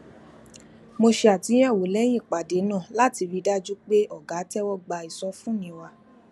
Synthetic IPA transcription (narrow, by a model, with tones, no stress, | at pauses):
mo˧ʃe˧a˨tĩ˨˦ɛ˦˨wo˨˦lɛ˨˦j̃ĩ˦˨k͡pa˨de˨˦nã˦˨la˦ti˧ɾi˧da˦d͡ʒu˦k͡pe˦ɔ˦˨ɡa˨˦tɛ˦wɔ˦ɡ͡ba˧i˨sɔ˧˦fũ˦nĩ˧˦wa˧